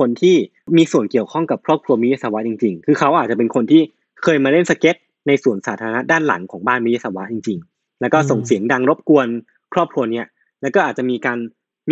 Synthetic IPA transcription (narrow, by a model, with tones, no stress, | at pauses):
kʰo˧nt̪ʰiː˥˩ | miː˧su˨˩ənki˨˩əwkʰɔ˥˩ŋka˨˩p̚kʰɾɔː˥˩p̚kʰu˧ɐmi˦˥ja˥sa˧wa˦˥t͡ɕi˧ŋt͡ɕi˧ŋkʰɯː˧kʰa˦˥wʔaː˨˩t̪̚t͡ɕa˨˩pe˧nkʰo˧nt̪ʰiː˥˩ | kʰɤː˧jmaː˧le˥˩nsa˧ke˦˥t̪̚ | na˧jsu˨˩ənsaː˩˦t̪ʰaː˧a˧na˦˥daː˥˩nla̰˩˦ŋkʰɔː˩˦ŋbaː˥˩nmi˦˥ja˥sa˧wa˦˥t͡ɕi˧ŋt͡ɕi˧ŋ | lɛ˦˥wkɔː˥˩so˨˩ŋsi˩˦əŋda˧ŋɾo˦˥p̚ku˧ən | kʰɾɔː˥˩p̚kʰu˧ɐni˦˥ɐ | lɛː˦˥wkɔː˥˩ʔaː˨˩t̪̚t͡ɕa˨˩miː˧kaː˧n